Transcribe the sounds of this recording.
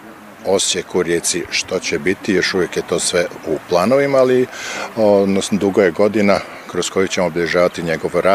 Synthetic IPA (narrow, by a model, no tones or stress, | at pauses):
o̞sjekuɾjeːt̪siʃt̪ot͡ɕebit̪ijo̞ʃuʋjekjet̪o̞ːsʋeuplˠaːno̞ʋimaːliod̪nosnod̪uɡojeɡo̞d̪ina | kɾosko̞jukt͡ɕemobʎʲeʒaːʋat̪iɲeɡo̞ʋoɾaː